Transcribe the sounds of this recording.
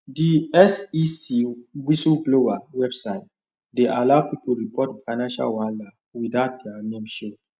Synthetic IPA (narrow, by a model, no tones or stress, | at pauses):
diɛsisiwisulɡlovawɛbsaɪt̚ | deʔalaʊpipulɹipɔtfajnãnʃa̰lwãnda | widaʊt̚dɛanẽmʃo